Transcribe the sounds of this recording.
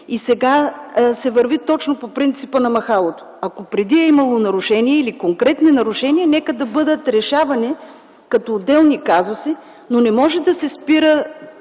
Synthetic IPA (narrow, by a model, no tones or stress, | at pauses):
isɛɡasɛvəɾvit̪ɔt͡ʃnopopɾint̪sipənɐmɐxalˠot̪o̥ɐkopɾɛd̪iɛimɐlˠonɐɾʊʃɛniɛilikoŋkɾɛt̪ninɐɾʊʃɛniɛnɛkəd̪ɐbɤd̪ət̪ɾɛʃavɐnɛ | kɐt̪oːd̪ːɛlˠnikazosi | nonɛmɔʒɛd̪ɐsɛspiɾə